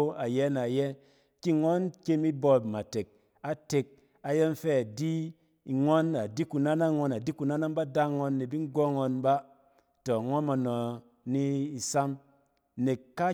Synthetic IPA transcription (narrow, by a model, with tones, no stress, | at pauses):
a˨jɛ˦na˨jɛ˦ | ki˦ŋo˦nke˧mi˦bo˧˨ma˨te˨k̚ | a˨te˨k̚ | a˨je˦nfɛ˦a˨di˦ | i˨ŋo˦na˨di˦ku˨na˦na˦ŋo˧na˨di˦ku˨na˦na˦n˦ba˦da˦ŋo˧nːe˨bi˦ŋ˦ɡo˦ŋo˧nba˦ | to˨ŋo˦nma˨nɔ˨ | ni˦i˨sa˦m | ne˨kːa˦